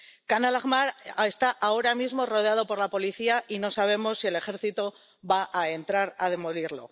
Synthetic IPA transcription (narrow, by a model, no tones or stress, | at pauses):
kanalaɣmaɾe̞st̪aʔao̞ɾamizmo̞ro̞ð̞eað̞o̞po̞ɾlapo̞liθiaʔino̞saβ̞e̞mo̞sːie̞le̞xe̞ɾθit̪o̞ | βaʔae̞nt̪ɾaɾað̞e̞mo̞liɾlo̞̰